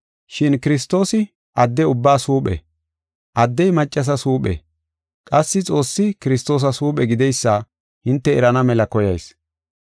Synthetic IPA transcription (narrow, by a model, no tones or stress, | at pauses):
ʃɪnkɪɾɪs̬t̪ːo̞ːsɪ | ʔɐd̪ːɛʊbːaːsuːpʼɛ̰ | ʔɐd̪ːɛjmɐt͡ʃʼːɐs̬ɐsuːpʼɛ̰ | kʼɐsːɪt͡sʼo̞ːsːɪkɪɾɪst̪o̞ːs̬ɐsuːpʼɛɡɪd̪ɛjsːɐa | hɪnt̪ːɛɛɾɐnɐmɛlɐkɔjɐjs